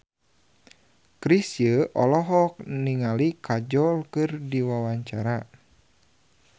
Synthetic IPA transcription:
kɾisjəʔɔlɔɦɔk̚niŋalikad͡ʒɔlkɨrdiwawaɲt͡ʃaɾa

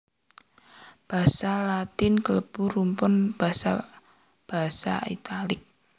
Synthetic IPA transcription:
b̥a̤salat̪ɪnkələb̥ṳrumpʊnb̥a̤sa̰ | b̥a̤sa̰it̪alɪk̚

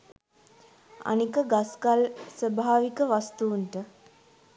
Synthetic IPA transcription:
a̰nikəɡaskalsəbʱaːʋikəʋast̪uːnʈə

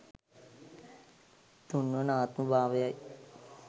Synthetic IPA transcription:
t̪unːənaːt̪mubaːʋejaj

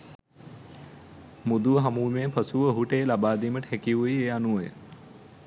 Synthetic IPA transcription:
mud̪uɦɐmuːmeːpʰɐsuʋəːɦuʈeːlabaːd̪iːməʈəhɛkiʋuieːanuʋəj̰

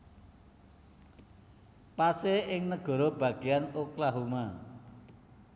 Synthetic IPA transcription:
paseɪŋnəɡ̥ɔ̤ɾɔb̥ä̤ɡ̥ejanoklaɦuma

